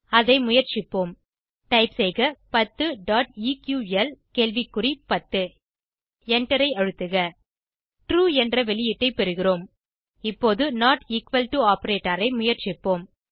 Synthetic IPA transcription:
ɐðɐɪmʊjɐɾt͡ʃɪpːoːm | ʈɐɪpsɛɪɣɐpɐt̪ːɯɖaːʈ̚iːkjuːɛlkeːlʋikːʊɾipɐt̪ːɯ | ɛɳʈɐɾɐɪɐɻɯt̪ːɯɣɐ | ʈɾuːɛndrɐʋɛɭɪjɪʈːɐɪpɛɾɯɣɪroːm | ɪpːoːðɯnaːʈiːkʋɐlʈuaːpɐɾeːʈːɐɾɐɪmʊjɐɾt͡ʃɪpːoːm

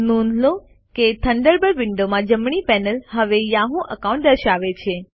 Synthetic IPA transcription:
nunlo | ket̪ʰəɳɖəɾbəɾʋɪɳɖomãd͡ʒəmɳ̃ipɛnəlɦəʋejãɦũʔəkaũɳʈ̚d̪əɾʃaʋet͡ʃʰe

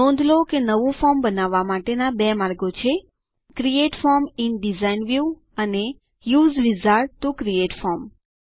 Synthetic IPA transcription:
ɔ̃nd̪ʱlokenəʋũfɔɾmbənaʋːamaʈenabɛmaɾɡot͡ʃʰe | kɾieʈfɔɾminɖizainʋju | əne | juzɾizaɾːukɾieʈfɔɾm

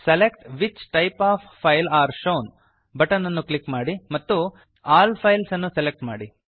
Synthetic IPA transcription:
selekʈʋit͡ʃʈɐjpaːppʰːɐjlaːɾʃoːn | bɐʈɐnːɐnːuklikmaːɽimɐt̪ːu | aːlpʰɐjlsɐnːuselek̚ʈma̰ːɽi

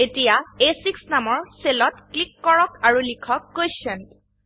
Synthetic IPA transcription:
etijaesiksnamɔɹselɔtklikːɔɹɔkaɹulikʰɔkːojsɛn

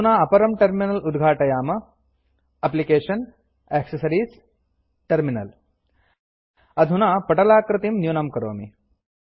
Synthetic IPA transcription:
naːɐpɐɾɐmʈɐɾminɐlud̪ɡʱaːʈɐjaːmɐ | ɐplikeːʃɐn | eːksɐsɐɾiːs | ʈɐɾminɐl | ɐd̪ʱunaːpɐʈɐlaːkɾɨt̪imnjuːnɐmkɐɾo̰ːmi

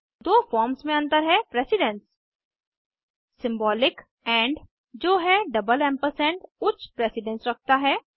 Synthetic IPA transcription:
d̪oːfɔːɾmsmẽɐ̃nt̪əɾɦɛpɾeːsɪɖɛ̃ns | sɪ̃mbɔːlɪk | ɛ̃ːɳɖ | d͡ʒoːɦɛɖɐbəlɛ̃mpəɾsɛ̃ːɳʈʊt͡ʃʰpɾeːsɪɖɛ̃nsɾɐk̚t̪aɦɛː

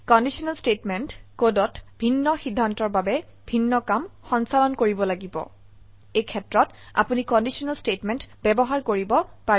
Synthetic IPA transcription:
kɔndisɔnalstetmɛntkodɔtbʱinːɔxidʱːantɔɹbabɛ | bʱinːɔkamxɔnsalɔnkoɹibɔlaɡibɔ̰ | ejkʰɛtɹɔt | a̰punikɔndisɔnalstetmɛntbɛbɔɦaɹkoɹibɔpa

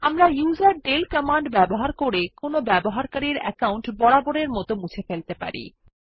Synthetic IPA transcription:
amɾajuzaɾɖelkɔmaɳɖbɛboɦaɾkoɾekonobɛboɦaɾkaɾiɾɛ̰kawɳʈbɔɽaboɽeɾmɔt̪omut͡ɕʰefelt̪epa̰ɾḭ

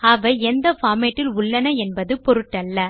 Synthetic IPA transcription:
ɐʋɐɛnd̪ɐfaːmeːʈːɪlʊɭːɐnɐɛnbɐðɯpɔɾɯʈːɐlːɐ

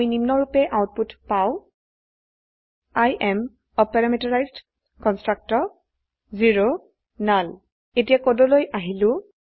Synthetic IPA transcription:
jnimnɔɹupɛʔaʊt̚putpaʊ | ajʔɛm | ɔpɛɹamitɔɹajzd | kɔnstɹak̚tɔɹ | ziɹo | nal | etijakɔdolojʔaɦilʊ̃

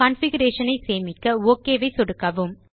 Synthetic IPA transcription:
ɐnfɪɡɐɾeːʂɐnɐɪseːmɪkːɐoːkːeːʋɐɪsɔɽɯkːɐʋɯm

